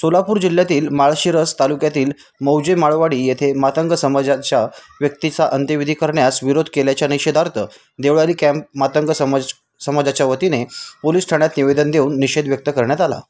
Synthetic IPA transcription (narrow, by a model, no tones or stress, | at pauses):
solapuːɾd͡ʑilːjat̪iːlmaɭɕiɾəst̪alukjat̪iːl | məwd͡ʑemaɭʋaɽiːjet̪ʰemat̪əŋɡəsəməd͡zat͡ɕja | ʋjək̚t̪it͡saʔənt̪əʋid̪ʱiːkəɾɳjasʋiɾod̪ʱkeljat͡ɕjaniɕed̪ʱaɾt̪ʰə | d̪eʋɭaliːkæ̃mp̚mat̪əŋɡəsə | səmad͡zat͡ɕjaʋət̪inepoliːsʈʰəɳ̃jat̪niʋed̪ənd̪euːnːiɕed̪ʋjək̚t̪əkəɾɳjat̪ala̰